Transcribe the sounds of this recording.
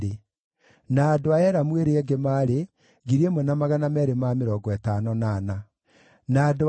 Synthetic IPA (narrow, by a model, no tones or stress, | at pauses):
e | naːdoaɛɾamweɾeɛɡemaːɾe | ɣiɾemɔnamaɣanamɛɾemameɾɔːɡɔɛtanɔnana | naːdo